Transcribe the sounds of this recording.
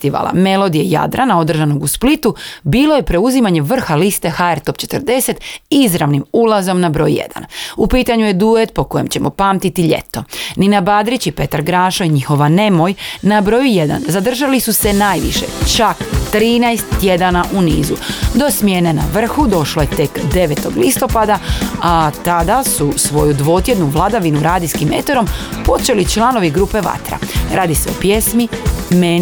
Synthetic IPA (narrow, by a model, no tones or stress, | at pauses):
st̪iʋa̰la̰me̞lˠo̞d̪ijeja̰d̪ɾanao̞d̪r̩ʒano̞ɡusplit̪ubiːlˠo̞je̞pɾe̞uzimaɲe̞ʋr̩xalist̪e̞xaeɾt̪o̞p̚t͡ɕe̞t̪ərd̪e̞se̞t̪izɾaʋnimulazo̞mnabɾo̞ːjjḛd̪a̰nupiːt̪aɲuje̞d̪uet̪po̞ko̞je̞mt͡ɕe̞mo̞paːmt̪it̪iʎe̞̰t̪o̞ninabad̪ɾit͡ɕipe̞t̪aɾɡɾaːʃoiɲixo̞ʋane̞mo̞jnabɾo̞juje̞d̪a̰nzad̪r̩ʒalisuse̞naːjʋḭʃḛt͡ʃakt̪ɾiːnajst̪ːje̞d̪anaʔuniːzud̪o̞smjenena̰ʋr̩xud̪o̞ʃlojet̪e̞kd̪e̞ʋet̪o̞ɡlist̪o̞pad̪aat̪ad̪asusʋo̞̰jud̪ʋo̞ːt̪je̞d̪nuʋlˠad̪aʋinuɾaːd̪iskimḛt̪oɾo̞mpo̞t͡ʃe̞lit͡ʃlˠano̞ʋiɡɾuːpe̞ʋa̰t̪ɾa̰ɾʔaːd̪ise̞o̞̰pjesmimen